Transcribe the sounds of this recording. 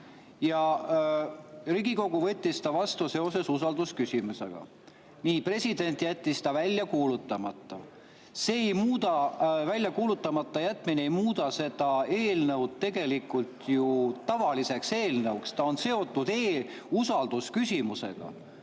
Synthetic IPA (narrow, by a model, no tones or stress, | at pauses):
jɑ | riɡiko̞ɡuvɤ̞t̪ʲːist̪ɑvɑst̪use̞o̞se̞susɑld̪̥uskysʲimuse̞̰ɡ̥ɑ̰ | niːpre̞sʲid̪̥e̞nʲt̪jæt̪ʲːisd̪ɑvælʲːjɑkuːlut̪ːˑɑmɑt̪ːˑɑ | seejmuːd̪̥ɑvælʲjɑkuːlut̪ːˑɑmɑt̪ːˑɑjæt̪ːˑmineejmuːd̪ɑse̞d̪ɑe̞ːlnɤwd̪̥̚t̪e̞ɡ̥e̞likːˑult̪jut̪ɑvɑlise̞kse̞ːlnəwkst̪ɑo̞nse̞o̞t̪ːˑud̪eː | usɑld̪̥uskysʲimuse̞̰ɡ̥ɑ̰